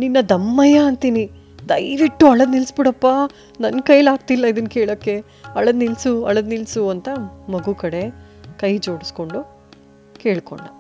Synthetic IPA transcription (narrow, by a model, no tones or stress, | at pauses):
ninːɐd̪ɐmːɐjaɐnt̪ini | d̪ɐjʋiʈːuɐɭɐd̪nilsbiɽɐpːa | nɐnkɐjlaːɡ̚t̪ilːɐid̪ɐnkeːɭoːkːe̞ | ɐɭɐd̪nilsuɐ̰ɭɐd̪nilsuɐnt̪ɐmɐɡukɐɽe̞ | kɐjd͡ʒo̞ːɽisko̞ɳɖu | keːɭko̰ɳːɐ